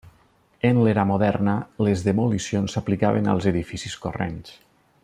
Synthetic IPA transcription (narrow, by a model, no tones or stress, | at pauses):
enleɾamoðɛɾnəlezðemulisionsaplikaβena̰lˠzeðifisiskorḛns